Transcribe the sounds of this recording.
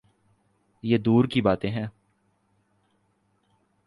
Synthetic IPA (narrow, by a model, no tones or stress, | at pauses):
jeːd̪uːɾkibaːt̪ẽɦɛ̃ː